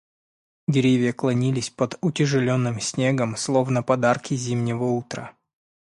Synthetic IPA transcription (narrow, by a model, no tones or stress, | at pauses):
dʲɪɾʲevʲɪjəklˠɐnʲilʲɪsʲpəd̪ʊtʲɪʐɨlʲo̞nːɨmsʲnʲeɡəmslˠo̞vnəpɐd̪arkʲɪzʲimnʲɪvəut̪ɾə̰